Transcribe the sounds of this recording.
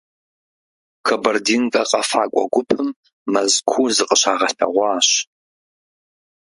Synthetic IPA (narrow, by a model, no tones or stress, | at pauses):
kʰɐbɐrdiːnkʼɐqʼɐfaːkʷʼɔ̰ɡʷʊpʰɨmː | ɐzkʷʰuːzɨqʼəɕaːʁɐɬɐ̰ʁʷɑːɕ